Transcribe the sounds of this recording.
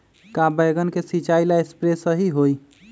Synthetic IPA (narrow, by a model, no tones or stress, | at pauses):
kabəjɡənkesit͡ʃailaespɾesəɦiɦoj